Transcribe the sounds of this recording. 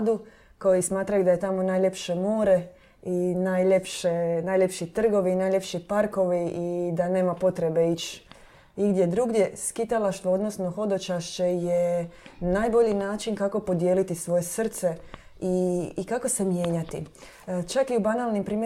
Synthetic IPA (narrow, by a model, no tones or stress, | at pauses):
d̪u | ko̞jismaːt̪ɾajud̪aje̞t̪amo̞naːjʎe̞pʃe̞moːɾe | inajʎepʃenaːjʎʲepʃit̪r̩ɡo̞ʋiːnaːjlʎʲepʃipaɾko̞ʋiʔid̪ane̞ːmapo̞t̪ɾe̞be̞it͡ʃ | iɡd̪ʲje̞d̪ɾuɡd̪je̞skit̪alaʃt̪ʋood̪no̞sno̞xo̞d̪o̞t͡ʃaʃt͡ʃe̞jenaːjbo̞ʎinaːt͡ʃinkako̞po̞d̪jelit̪isʋo̞je̞sr̩t̪se̞ | iːkako̞se̞mje̞ːɲat̪ḭ | t͡ʃakiubanaːlnimpɾiːme